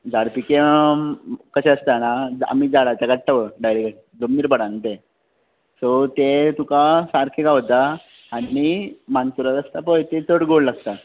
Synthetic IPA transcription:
d͡zaɽpike | kəɕeəst̪anad͡za̰mid͡zaɽat̪aɡat̪ʰaʋəɖajɾeɡa | d͡zomniɾbəɽãnt̪e | sɔt̪et̪ukasaɾkʰeɡaʋt̪aː | imansuɾət̪əst̪apɔjt̪et͡səɽɡoɽlaɡt̪a

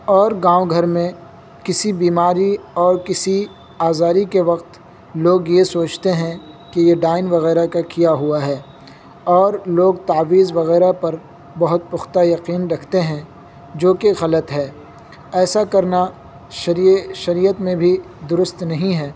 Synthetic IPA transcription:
ɔːɾɡãːoɡʱɐɾmẽ | kɪsibiːmaːɾiɔːɾkɪsi | aːzaːɾikeʋɐqt̪ | loːɡjesoːt͡ʃt̪eɦɛ̃ | kejeɖaːɪnʋɐɣɛːɾakakijaɦʊaɦɛː | ɔːɾloːɡ̚t̪aːʋiːzʋɐɣɛːɾapɐɾ | bɐɦʊt̪̚pʊxt̪ajɐqiːnɾɐkʰt̪eɦɛ̃ | d͡ʒoːkeɣɐlət̪ɦɛː | ɛːsakɐɾna | ʃʃɐɾiːjət̪mẽbʱi | d̪ʊɾʊst̪nɐɦĩɦɛː

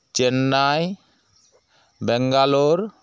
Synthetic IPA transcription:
t͡ʃenːaj | bɛŋɡaloɾ

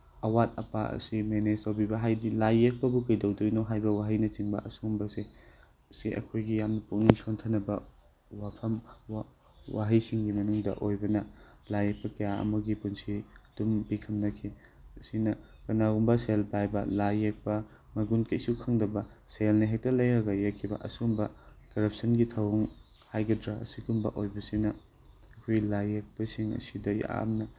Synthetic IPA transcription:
ɐwatʰɐpaɐ̰simeneztawbibɐɦajdilajek̚pɐbukɐjdɐwdojnoɦajbɐwaɦɐjnɐt͡ʃiŋbɐ̰ʔɐsumbɐse | siʔɐ̰kʰojɡijamnɐpuk̚niŋsontʰɐnɐbɐ | wapʰɐm | wa̰ɦijsiŋɡimɐnuŋdɐ̰ʔojbɐnɐlajek̚pɐkɐjaɐ̰mɐɡipunsid̥umbikʰɐmnɐkʰi | ɐsinɐkɐnaɡumbɐselpajbɐlajek̚pɐ | mɐɡunkejsukʰɐŋdɐbɐselnɐɦek̚tɐlɐjɾɐɡɐjekʰːibɐ̰ʔɐsumbɐkɐɾɐp̚sɐnɡitʰɐwuŋ | hajɡɐdɾaɐ̰siɡumbɐ̰ʔojbɐsinɐ | ɐkʰojlajek̚pɐsiŋɐ̰sidɐjaa̰mnɐ

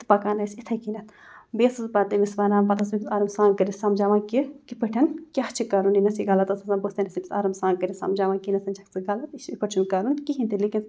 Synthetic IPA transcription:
t̪ɨ̥pɐkaːnɐjsit̪ʰɐkinɐt̪ʰbeːsɨzbat̪ɐmisʋaːnaːmpɐt̪ʰɐsmiisaːɾɐmsaːŋkɐɾisamd͡ʒaːʋãːkikipɐʈʰʲɐnkʲaht͡ʃʰikaːɾuninɐsiɡalɐt̪ɐsɐsanbost̪ɐnɐsibʲisa̰ːɾɐmsãːŋkɐɾʲisa̰md͡ʒaːʋaːkinɐsɐnt͡ʃʰɐkt͡sɨɡalɐt̪iʃipɐt͡ʃʰunkaːɾunkiɦint̪ilikʲin

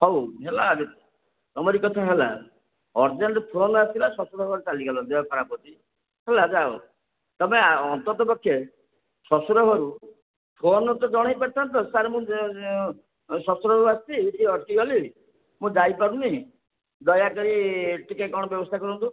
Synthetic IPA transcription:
ɦɔwɦelaɡe | ɔmɔɾikɔt̪ʰaɦela̰ | ɔɾd͡ʒanɾep̪ʰoɔnat̪ilasɔsuɾɔɦɔɾut͡ʃaliɡalɔd̪ɔjapʰɔɾapɔt̪i | ɦelad͡ʒao | t̪ɔmeɔnt̪ɔt̪ɔpɔkʰːje | sɔsuɾɔɦɔɾu | pʰonɔt̪ɔd͡ʒɔɽ̃ajpaɾt̪ʰant̪ɔsaɾmũ | sɔsɔɾɔɦɔɾuast̪iʈiɔʈkiɡɔli | mũd͡ʒajpaɾuni | d̪ɔjakɔɾiʈikakɔ̃ɔbjɔbɔst̪ʰakɔɾɔnt̪u

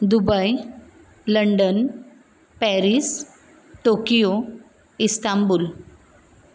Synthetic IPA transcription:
d̪ubaj | ləɳɖən | pɛɾis | ʈokijo | ist̪ambul

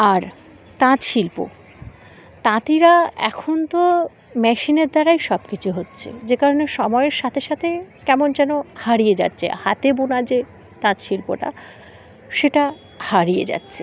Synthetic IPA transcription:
aɾ | t̪ãʃilpo̰ | t̪ãt̪iɾaɛ̰kʰont̪o | mɛʃineɾd̪aɾajʃɔbkit͡ɕʰuɦotːɕʰḛd͡ʑekaɾoneʃɔmɔeeɾʃat̪ʰeʃat̪ʰekɛmond͡ʑɛnohaɾied͡ʑa̰tːɕʰḛhat̪ebonad͡ʑe | t̪ãɾʃilpo̰ʈa̰ | ʃeʈa | haɾijḛd͡ʑa̰tːɕʰe̥

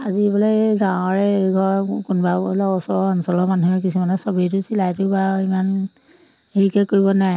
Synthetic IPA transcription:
azibɔlɔjɡãw̃ɔɹɛeɡʱɔɹkʊnbalɔɔsɔɔnsɔlɔmanuɦɛkisumanɔsɔbitʊsilajtʊbaiman | eɹikɛkoɹibɔnaj

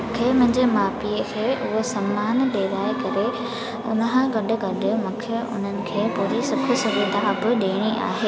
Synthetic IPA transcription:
ʊkʰemʊ̃ɦɪ̃ɲd͡ʑemaːfiːekʰeːʔʊɦosɐmːaːnɗeːɾaːekɐɾe | ʊ̰nəɦãɡɐɗʊ̆ɡɐɗʊ̆mʊ̃kʰɪʔʊ̰n̤ənɪ̆kʰeːpuːɾisɐbʱʊ̆sʊɾɪd̪ʱabɪɗeːɽ̃iʔa̰ːɦeː

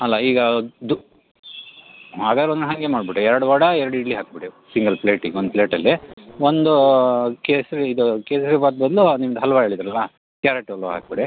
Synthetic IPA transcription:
ɐlːaiːɡɐd̪u | ɦaːɡaːd̪ɾeonnɦɐŋɡemaːɖbiʈːuɛɾɐɽuʋɐɽɐɛɾɐɽiɖliɦaːk̚biɽi | siŋɡɐlpleːʈiŋɡond̪pleːʈɐlːiond̪ukeːsɾeid̪ukeːsɐɾebaːt̪̚bɐd̪lunimɐd̪ɦɐlɐʋaɦeːɭid̪ɾɐlːɐ | kjaːɾeʈɐloɦa̰ːk̚biɽi

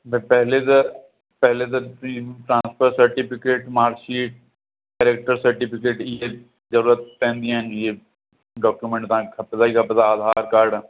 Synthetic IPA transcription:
bpɛɦlet̪e | pɛɦlet̪eʈɾãːnspʰəɾsɐɾʈɪpɪkeːʈmaːɾʃiːʈ̚ | kɛːɾeːk̚ʈəɾsɐɾʈipʰɪkeːʈje | zɐɾuːɾət̪̚pɛ̃ːnd̪iɛnje | ɖɔːkjumẽɳʈt̪ãkkʰɐpsaikʰɐpt̪aaːd̪ʱaːɾkaːɾɖ

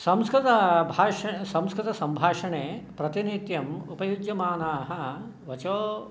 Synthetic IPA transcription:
sɐmskɾɪt̪ɐbʱaːʂɐsɐmskɾɪt̪ɐsɐmbʱaːʂɐɳeːpɾɐt̪init̪jɐmupɐjud͡ʒjɐmaːnaːɦɐ | ʋɐt͡ʃoː

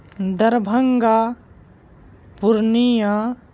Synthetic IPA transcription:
d̪ɐɾbʱəŋɡa | puɾnija

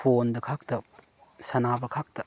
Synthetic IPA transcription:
pʰondɐkʰak̚tɐ | sɐnabɐkʰak̚tɐ

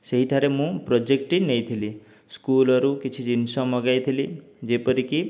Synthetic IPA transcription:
seɦiʈʰaɾemũpɾɔd͡ʒek̚ʈinejt̪ʰili | skulɔɾukit͡ʃʰid͡ʒinsɔ̃mɔɡajt̪ʰili | d͡ʒepəɾiki

